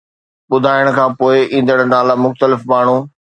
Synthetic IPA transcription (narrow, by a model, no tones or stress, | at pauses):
ɓʊd̪ʱaːɪəɽ̃̆kʰãːpoːɪĩːn̆d̪əɽ̃naːlamʊxt̪əlɪfmaːɳ̤u